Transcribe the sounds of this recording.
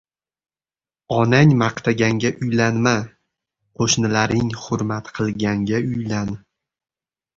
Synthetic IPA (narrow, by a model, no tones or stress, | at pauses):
ɒnaŋmɑqt̪ʰaɡʲaŋɡʲaʔʊjlanma | qʰoʃnɪlaɾɪŋhʊɾmat̪qʰɨlˠɡʲaŋɡʲaʊjlan